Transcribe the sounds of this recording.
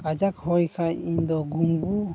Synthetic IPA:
kad͡ʒakhɔjkʰajiɲd̪ɔɡuŋɡu

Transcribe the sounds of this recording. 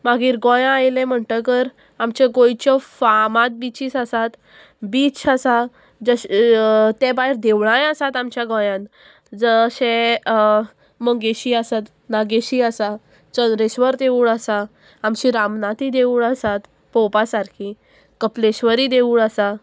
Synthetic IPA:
maɡiːɾɡɔ̃jãajlɛ̃m̤əɳʈ̪əkəɾ | amt͡ɕeɡojt͡ɕɔfamãt̪̚bit͡ɕiːsasat̪ | biːt͡sasa | d͡zə | t̪ebaɦiɾd̪eʋɳajasat̪amt͡ɕjaɡɔ̃jãn | d͡zəɕe | məɡeɕiasat̪ | naɡeɕiasa | t͡ɕənɾeɕʋəɾt̪euːɭasaː | mɕiɾamnat̪id̪euːɭasat̪ | pɔpasaɾkʰi | kəpleɕʋəɾid̪euːɭasa

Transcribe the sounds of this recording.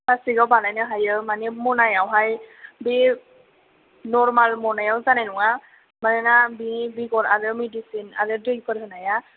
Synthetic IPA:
basiɡawbalajnɯɦajɯmanɛmɔnajawɦajbe | nɔɹmalmɔnajawzanajnɔŋa | manɛnabiibiɡɔlaɾɯmedisina̰ɾɯdɯjkɔɾɦɯnaja

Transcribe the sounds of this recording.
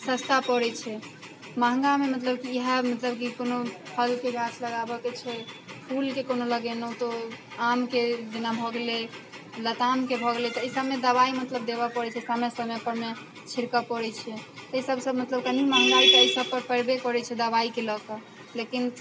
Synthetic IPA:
səst̪apɔɾɛt͡ʃʰɛ | maɦŋɡamemət̪ləb̚kiiɦəmət̪ləbkikonopʰəlkeɡʱasʰləɡabɔket͡ʃʰɛpʰulkekonoləɡɛnəut̪oamked͡ʒenabʱɔɡlelət̪amkebʱɔɡlet̪ɔesəbmed̪əβaimət̪ləb̚d̪ebəpəɾɛt͡ʃʰɛsamesəmepəɾme | t͡ʃʰiɾkəpɔɾɛt͡ʃʰɛt̪eisəbsəbmət̪ləb̚kənimaɦəŋɡakeisəb̚pəɾpəɾbekɔɾɛt͡ʃʰɛd̪əβaikeləkə | lekin

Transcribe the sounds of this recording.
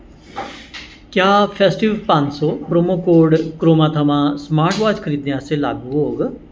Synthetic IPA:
kjaːpʰesʈiʋpãnsopɾomokoːɾɖkɾoːmãt̪ʰəmãsmaːɾʈʋaːt͡ʃkʰəɾiːd̪njaselaːɡuɦoːɡ

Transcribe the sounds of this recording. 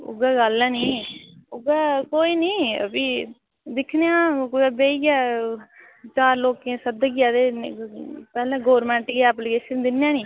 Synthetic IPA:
ʊ̰ɡaːɡəlɛ̃ːniːʊɡaːkoːiːniːə̰piː | d̪ɪkʰnejãːkːbeːiɡɛː | t͡ʃaːɾloːkẽːsəd̪əɡjaːd̪eː | pɛːlãːɡoːɾmɛ̃ːɳʈɡiɛːplikeːʃənd̪ɪnɛ̃ːnĩː

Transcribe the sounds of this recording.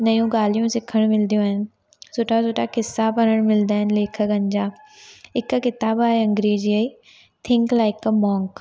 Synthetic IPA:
nɐjũɡaːlijũsɪkʰəɽ̃mɪld̪ijõaːɦɪnɪ̆ | sʊːʈʰasoːʈʰakɪsːabɐnəɽ̃mɪld̪aːɦɪnɪleːkʰəɡɐ̃ɲd͡ʑaː | ɪkkɪt̪aːbaːɦeɐ̃ŋɡɾeːd͡ʑiəi | t̪ʰɪ̃ŋklaːɪkəmɔ̃ːŋk

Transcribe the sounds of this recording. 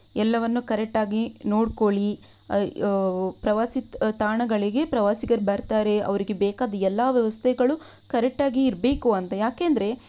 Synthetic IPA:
ɛlːɐʋɐnːukɐɾɛk̚ʈaːɡinoːɽko̞ɭi | pɾɐʋaːsit̪aːɳɐɡɐɭiɡe̞pɾɐʋaːsiɡɐɾbɐɾt̪aːɾe̞ɐ̰ʋɐɾiɡe̞bɛːkaːd̪ɐɛlːaːʋjɐʋɐst̪ʰɛɡɐɭu | kɐɾɛk̚ʈaːɡiːɾbe̞ːkuɐnt̪ɐjaːkeːnd̪ɐɾe̞

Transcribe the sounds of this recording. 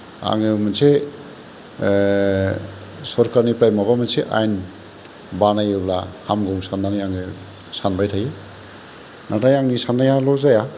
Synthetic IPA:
a̰ŋɯmanse | sɔɾkaɾnipɾajmabamanseʔa̰jn | banajɯblahamɡɔŋsandanijaŋɯ | sanbajtʰaje | nʔatʰajaŋnisanajalɔzaja

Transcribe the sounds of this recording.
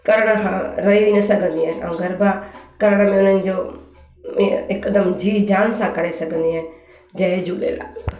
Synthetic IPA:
kəɾɽ̃aɦãɾəiʋinəsəɡə̃nd̪iːɦɛ̃ːə̰ɡəɾbaːkəɾɽ̃amẽʊnənd͡ʒoː | ẽɪkːd̪əmd͡ʒiːd͡ʒaːnsãːkəɾesəkə̃nd̪iːɦɛ̃ː | d͡ʒəːed͡ʒuːɗḛːla̰ː

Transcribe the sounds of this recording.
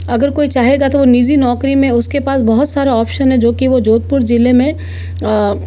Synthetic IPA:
ɐɡəɾkoːit͡ʃaːɦeɡat̪oʋoniːd͡ʒinɔːkɾimẽʊskepaːsbɐɦʊt̪saːɾaɔːpʃənɦɛ̃d͡ʒoːkiʋod͡ʒoːt̪̚pʊɾd͡ʒɪlemẽ

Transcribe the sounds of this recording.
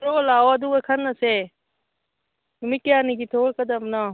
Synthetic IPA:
ɾoːlaːoɐd̪uːekʰɐnɐse | mɪkjaːniɡit̪ʰoːkɐd̪əmna

